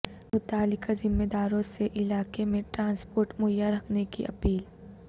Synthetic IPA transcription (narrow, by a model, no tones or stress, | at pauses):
mʊt̪aːlɪkazɪmːed̪aːɾõseʔɪlaːkemẽʈɾãːnspoːɾʈmojaɾɐkʰnekḭʔɐpiːl